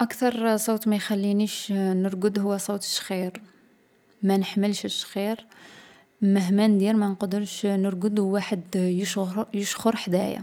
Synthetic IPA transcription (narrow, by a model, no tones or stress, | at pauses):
ʔækt̪ɑɾˤsˤowt̪mæjxælːiniʃnəɾɡəd̪hʊwːæsˤowt̪ə̥ʃxiɾ | mænəħməlʃəʃxiɾ | məɦmænd̪iɾmænqɑd̪əɾʃnəɾɡəd̪hwːaħəd̪jəʃjəʃxəɾħd̪æja̰